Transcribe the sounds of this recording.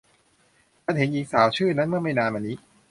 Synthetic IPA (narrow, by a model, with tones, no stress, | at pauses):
ta˧˥nɦe˨˩˦nʔiː˨˩k̚saː˩˦wt͡ɕʰɯː˥˩na˦˥nmɯ˥˩ma˥˩jnaː˧nma˧nːiː˦˥